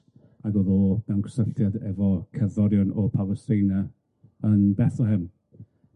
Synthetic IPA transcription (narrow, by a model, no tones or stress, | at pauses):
aɡoːðɔd̥ankʰsəftʰjadɛvɔkʰəðɔɾjɔnɔpʰalˠəstɪna | ənbɛθɔɦɪm